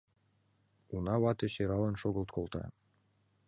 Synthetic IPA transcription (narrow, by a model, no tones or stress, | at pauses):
unɑβɑt̪ĕɕeɾɑlˠɤ̆nʃoɡɤ̆lˠt̪kʰolˠt̪ɑ̰